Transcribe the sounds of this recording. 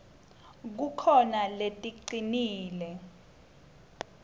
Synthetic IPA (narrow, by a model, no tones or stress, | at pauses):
k̬ukʰɔnaletʼiǀiniːlɛ